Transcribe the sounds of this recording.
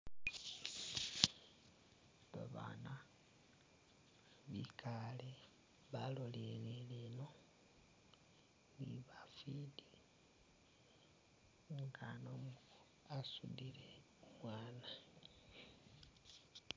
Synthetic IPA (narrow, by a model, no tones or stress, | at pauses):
βa̰βa̰na | βikʰale | βalolelelino | βḭβafidi | ŋɡanomu | asudile | umwaːna